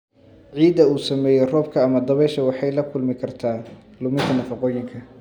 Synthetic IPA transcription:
ʕiːd̪ɐuːsɐmɛːjɛrɔːb̚kʰɐːmɐd̪ɐβɛːʃɐwɑħɑjlɐkʰʊlmɪkʰɐrt̪ʰaː | lʊmɪkʰɐnɐfɑqɔːjɪŋkʰɐ

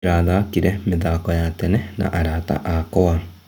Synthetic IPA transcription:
ɾaːd̪aːkiɾɛmɪd̪aːkɔjaːt̪ɛnɛna̰ʔaɾaːt̪a̰ʔaːkɔwa

